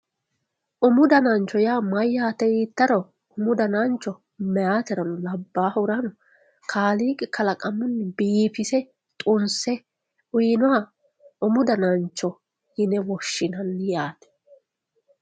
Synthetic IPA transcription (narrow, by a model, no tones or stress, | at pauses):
ʔʊmʊd̪ɐnɐnt͡ʃːɔjaːmɐjːaːt̪ːɛjiːt̪ːɐɾɔ | ʊmʊd̪ɐnant͡ʃːɔ | mɛjaːt̪ɛɾɐnʊlɐbːaːhʊɾɐnʊ | kʰaːliːkʼɛkʰɐlɐkʼɐmːʊnːɪbiːfɪsɛ | t̪ʼʊnsɛ | ʊjɪnʊa | ʊmʊd̪ɐnɐnt͡ʃːɔ | hɪnɛwɔʃːɪnɐnːɪjaːt̪ɛ̥